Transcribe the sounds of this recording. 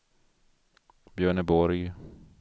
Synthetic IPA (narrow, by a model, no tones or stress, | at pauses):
bjœːɳəbɔɾj